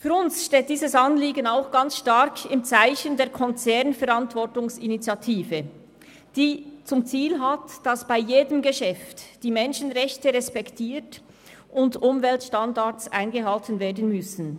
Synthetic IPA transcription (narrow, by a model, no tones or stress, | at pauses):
fyːɾʊnsʃteːt̚d̥iːzəsɑnliːɡənaʊxɡ̥ant͡sʃtaɾkʰɪmt͡saɪçəndeːɐɾkʰɔnt͡sɛʁnfɛɾantvɔɾtʊŋsinit͡sjatʰiːvə | d̥iːt͡sʊmt͡siːlɦatd̥asb̥aɪjeːdəmɡəʃɛftd̥iːmɛnʃənʁɛçtəʁɛspɛktʰiːt | ʔʊndʊmvɛltʃtandat͡sʔa̰ɪnɡəɦaltənveːɐdən̩mʏsən̩